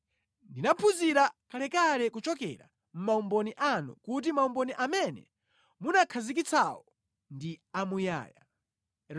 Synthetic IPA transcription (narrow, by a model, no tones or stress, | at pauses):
ndinapʰuziɾakʰalɛkalɛkut͡ʃɔkɛ̰ɾa̰ | m̩maumbɔniʔanṵkut̬imaumbɔniʔamɛnɛ̰ | munakʰazik̬it͡sʰawɔ | ndiamuja̰ːja